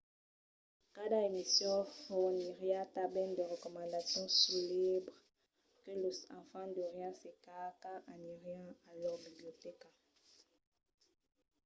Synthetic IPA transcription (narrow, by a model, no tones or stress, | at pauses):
kadaemisjɔ̃fniʁjãtabɛndeʁəkɔmɑ̃ndasjɔ̃sulebʁ | kəlosãfãdoʁjãsekakaʔaniʁjãalɔbiblioteka